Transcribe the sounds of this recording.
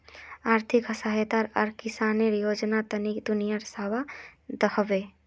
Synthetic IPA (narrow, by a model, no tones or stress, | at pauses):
aɾt̪ʰikɦəsaɦet̪aɾɔɾkisaniɾjod͡ʒnat̪ənikd̪unijaɾsabad̪əhbe